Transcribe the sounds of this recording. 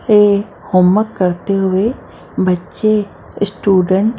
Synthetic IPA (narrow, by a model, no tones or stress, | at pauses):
e | hoːmːəkːɐɾt̪eɦʊe | bɐtːʃe | sʈuːɖəɳʈ